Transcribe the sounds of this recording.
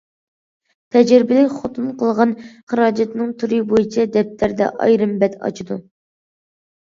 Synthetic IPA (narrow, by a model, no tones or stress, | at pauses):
t̪ʰɛd͡ʒɾɪbɪlɪkʲχot̪ʰunqʰəlˠʁɑnχəɾɑːd͡ʒɛt̪nɨŋt̪ʰuɾɨbojit͡ʃʰɛd̪ɛp̚t̪ʰæɾd̪ɛ̰ʔɑ̰jɾɨmbɛt̪ɑ̰t͡ʃʰid̪u